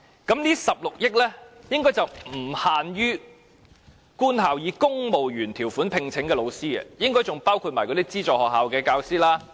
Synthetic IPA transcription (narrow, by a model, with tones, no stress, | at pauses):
kɐ˨˥mniː˥sɐ˨p̚lʊ˨k̚jɪ˥k̚lɛː˥jɪ˥ŋkɔː˥jt͡sɐ˨wm̩˨˩haː˨nɥyː˥ | kuː˥nt̪aː˨wjiː˨˧kʊ˥ŋmo˨wɥyː˨˩nt̪ʰiː˨˩wfuː˨˥npʰɪ˨ŋt͡sʰɪ˨˥ŋkɛː˧lo˨˧wsiː˥ɐ̰˨jɪ˥ŋkɔː˥jt͡sʊ˨ŋpaː˥wkʰu˧t̚maː˨˩jkɔ˧t̪i˥t͡siː˥t͡sɔː˨khɔː˨k̚ɦaː˨wkɛː˧kaː˧wsiː˥laː˥